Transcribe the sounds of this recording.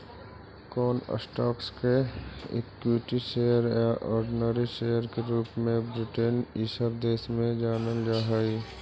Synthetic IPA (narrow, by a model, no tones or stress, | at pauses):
kɔːnə̰sʈɔːkskeḛkiʈiʃeːjəɾjaʔɔːɾɖɪnəɾiʃeːjəɾkeɾuːpmẽbɾɪʈenisəbd̪eːsmẽd͡ʒaːnəld͡ʒaːɦəi